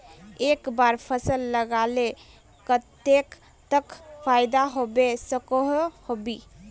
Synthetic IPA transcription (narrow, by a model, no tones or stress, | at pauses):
ekbaɾpʰəsəlːəɡale | kət̪ek | t̪əkpʰajd̪aɦobesəkəɦhobi